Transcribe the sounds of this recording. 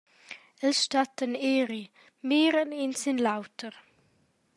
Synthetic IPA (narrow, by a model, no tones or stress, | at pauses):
ɛlʃtatəneːɾi | miːɾəninsɪnlawtʰəʁ